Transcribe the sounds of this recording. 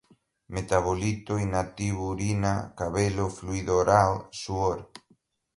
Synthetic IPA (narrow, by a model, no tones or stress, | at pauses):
met̪aβolit̪oinat̪iβuɾinakaβelofluiðoɾalsuoɾ